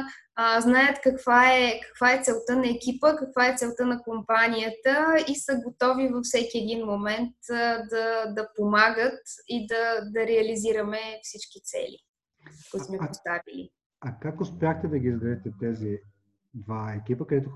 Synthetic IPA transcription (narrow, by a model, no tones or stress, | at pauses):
znajət̪kɐkvaɛkɐ̥kvaɛt̪sɛlˠt̪ənɐɛkʲipəkɐkvaɛt̪sɛlˠt̪ənɐkompanʲijət̪əisəɡot̪ɔvivɐfsɛkʲiɛd̪inmomɛnt̪d̪ɐd̪ɐpomaɡət̪id̪ɐd̪ɐɾɛɐliziɾəmɛfsit͡ʃkit̪sɛ̰lḭ | kɔmɛpɾost̪avilḭ | ɐkakʊspjaxt̪ɛd̪ɐɡʲizɡɾɐd̪ɛt̪ɛt̪ɛzi | d̪vaɛkʲipəkɐd̪ɛt̪ʊ